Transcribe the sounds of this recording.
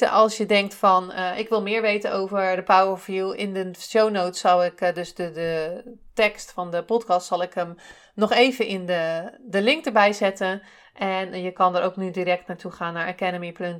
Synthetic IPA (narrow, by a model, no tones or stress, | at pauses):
əʔɑlˠsjədɛŋk̚tfɑnʔɪkʋɪlˠmɪːɹʋejtənowvəɹdəpawəɹfilˠɪndəʃownowtsːɑlˠɪkdøsdəətɛkstfɑndəpɔtkɑstsɑlˠɪkəm | nɔχeːvənɪndədəlɪŋk̚dəɹbɛjzɛtən | ʔɛnjəkɑndəɾʔowknydiɾɛk̚tnaːɹtuχaːnːaɹəkɛdəmipløn